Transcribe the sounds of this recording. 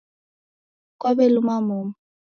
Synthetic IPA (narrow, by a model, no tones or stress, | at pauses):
kwabɛlumamom̩